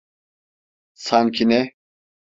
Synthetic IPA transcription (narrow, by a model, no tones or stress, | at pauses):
saŋcʰinɛ